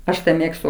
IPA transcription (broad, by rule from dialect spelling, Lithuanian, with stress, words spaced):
ˈɐʃ ˈmʲeːkstʊ